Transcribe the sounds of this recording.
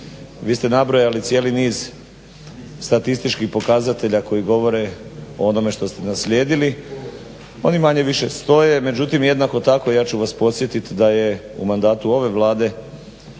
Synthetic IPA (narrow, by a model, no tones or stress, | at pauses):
ʋiːst̪e̞nabɾo̞jalit̪sje̞ːliniːz | st̪at̪ist̪it͡ʃkixpo̞kazat̪e̞ʎako̞jiɡo̞ʋo̞ɾe̞oono̞me̞ʃt̪o̞st̪e̞nasʎʲe̞ːd̪ili | o̞̰nimaɲe̞ʋiʃe̞st̪o̞jeme̞d͡ʑut̪imje̞d̪nako̞t̪ako̞ijaːt͡ɕuʋaspo̞t̪sje̞t̪it̪d̪aje̞ṵmand̪aːt̪uo̞ʋe̞ʋlˠaːd̪e̞